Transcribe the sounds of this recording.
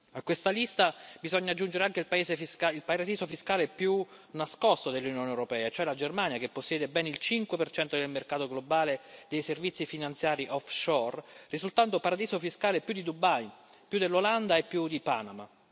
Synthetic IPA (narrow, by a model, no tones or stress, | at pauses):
akwest̪alist̪abizɔɲːad͡ʒːund͡ʒeɾeaŋk̟eilpaeːzefiskailpaɾad̪iːzofiskaːlepju | naskɔst̪od̪elːunjoːnewɾopɛːaet͡ʃoɛlad͡ʒermanjakepːosːjɛːd̪ebɛːnilt͡ʃiŋkwepert͡ʃɛnt̪od̪elmerkaːt̪oɡlobaːled̪ejservit̪sifinant̪sjaːɾiʔɔfʃɔrrizult̪ant̪opaɾad̪iːzofiskaːlepjud̪id̪ubaj | pjud̪elːoland̪aepːjud̪ipanama